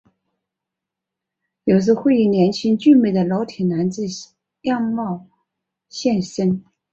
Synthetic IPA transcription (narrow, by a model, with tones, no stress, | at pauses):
jo˨˩ʊt͡sɹ̩˥˧xwe˥˧ɪi˥˩njɛ˧˥nt͡ɕʰi˥ŋt͡ɕy˥˧me˥˩ɪd̪ə˩lɑ˧˥ʊt̪ʰi˨˩na˧˥nt͡sɹ̩˥˧ | jɑ˥˧ŋmɑ˥˩˧ʊ | ɕjɛ˥˧nʂə˥n